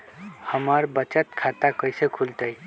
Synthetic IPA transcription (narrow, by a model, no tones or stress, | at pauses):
həməɾbət͡ʃət̪kʰat̪akəjsekʰult̪əj